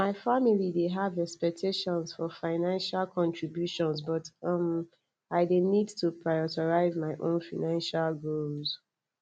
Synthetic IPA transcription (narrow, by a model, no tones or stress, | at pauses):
maɪfamilideɦavɛkspɛk̚tʰeʃɔ̃nsfɔfaɪnãnʃalkʰɔ̃ntɹibjuʃɔ̃nzbʌtʌm | aɪdenidtupʰɹaɪɔtɔɹaɪzmaɪʔõnfaɪnãnʃalɡolz